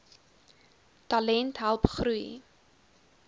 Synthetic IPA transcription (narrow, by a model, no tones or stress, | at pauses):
tɐlɛntɦalˠpχɾuj